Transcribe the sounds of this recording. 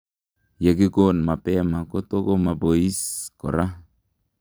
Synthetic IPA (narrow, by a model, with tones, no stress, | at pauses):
je˨kɪ˦ko˦nma˨pɛ˦ma˨ko˦to˦ko˦ma˨bo˨i˦skɔ̰˨ɾa˦